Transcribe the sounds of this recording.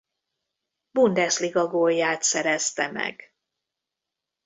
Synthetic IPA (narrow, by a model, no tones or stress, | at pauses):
bund̪ɛsliɡɒɡoːjːaːt̪sɛɾɛst̪ɛmɛ̰ɡ